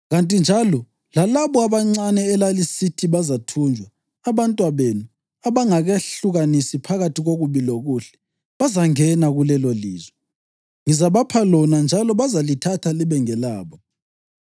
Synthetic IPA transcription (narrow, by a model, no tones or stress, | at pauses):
ɣantʼind͡ʒʱalɔ | lalaβɔaβaŋ͡ǀanɛːlalisitʰiβazatʰuːnd͡ʒʱwaː | βantʼwaβenu | aβaŋaɣeɬuɣanisipʰaɣatʰiɣoɣuβiloɣuɬɛ̥ | βazaŋɛnaɣulɛloliːzwɛ | ŋizaβapʰalɔnand͡ʒʱalɔβazalitʰatʰaliβɛŋɛlaːβɔ